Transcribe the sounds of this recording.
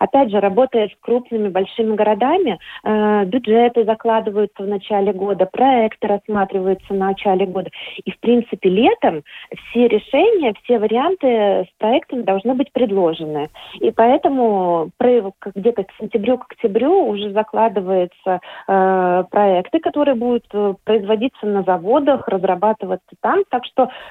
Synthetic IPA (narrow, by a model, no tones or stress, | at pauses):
ɐpʲædʲʐɨɾɐbo̞t̪əjɪt̪skɾupnɨmʲɪbɐlʲʂɨmʲɪɡəɾɐd̪amʲɪ | bʲʊdʐɛt̪ɨzɐklˠad̪ɨvəjʊt̪səvnɐt͡ɕælʲɪɡo̞d̪əpɾɐɛkt̪ɨɾɐsːmat̪ɾʲɪvəjʊt̪sənnnɐt͡ɕælʲɪɡo̞d̪əifpɾʲint̪sɨpʲɪlʲe̞t̪əmfsʲeɾʲʔɪʂɛnʲɪjəfsʲe̞vəɾʲɪant̪ɨspɾɐɛkt̪əmʲɪd̪ɐlˠʐnɨbɨtʲpɾʲɪd̪lˠo̞ʐɨnɨipɐɛt̪əmʊpɾɐkɡdʲet̪əksʲɪnʲtʲɪbɾʲukə̥ktʲɪbɾʲuːʐɛzɐklˠad̪ɨvəjɪt̪sə | pɾɐɛkt̪ɨkɐt̪o̞ɾɨjəbud̪ʊt̪ːpɾəɪzvɐdʲit̪sənəzɐvo̞d̪əxrəzrɐbat̪ɨvət̪sːə̥t̪amt̪akʂt̪o̞